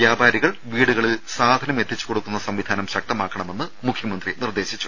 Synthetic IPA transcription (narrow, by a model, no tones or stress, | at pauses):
jaːbʱaːɾiɣɐɭʋiːɽuɣɐɭilsaːd̪ʱɐnɐmet̪ʰːit͡ɕːu̥ko̞ɽukːunːɐsɐmʋid̪ʱaːnɐmɕɐk̚t̪ɐmaːkːɐɳɐme̞nːɨmukʰjɐmɐnd̪rinird̪e̞ːɕit͡ɕːu̥